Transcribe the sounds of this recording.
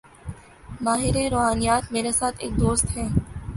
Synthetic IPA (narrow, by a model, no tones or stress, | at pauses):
maːɦɪɾeɾoːɦaːnijaːt̪meːɾesaːt̪ʰḛːk̚d̪oːst̪ɦɛː